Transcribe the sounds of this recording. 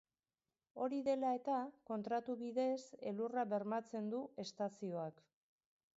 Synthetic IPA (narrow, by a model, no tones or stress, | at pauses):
o̞ɾiðe̞lae̞t̪ako̞nt̪ɾat̪uβiðe̞se̞̰luraβe̞ɾmat͡se̞nd̪ue̞st̪asio̞ak